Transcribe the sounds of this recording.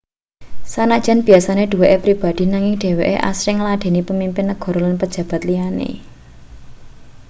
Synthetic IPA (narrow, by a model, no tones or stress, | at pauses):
sanad̥ʒ̥a̤nb̥i̤asaned̪̥ṳweʔepɾib̥a̤d̪̥i̤naŋɪŋɖ̥e̤wḛʔḛʔa̰sɾɪŋlaɖ̥e̤nipəmimpɪnːəɡ̥ɔ̤ɾolanpəd̥d͡ʒ̥ä̤b̥ät̪lianḛ